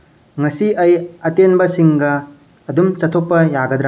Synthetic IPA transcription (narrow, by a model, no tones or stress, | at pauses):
ŋɐsiɐjɐtenbɐsiŋɡɐː | dumt͡ʃɐt̪ʰok̚pːɐjaɡɐd̪ɾa